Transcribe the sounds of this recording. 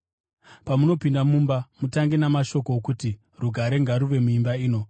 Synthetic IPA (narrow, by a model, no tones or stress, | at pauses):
pamuno̞pindamumbamutaŋɡenamaʃo̞kokuti | ruɡʱaɾe̞ŋɡaɾuʋe̞muimbaiːno̞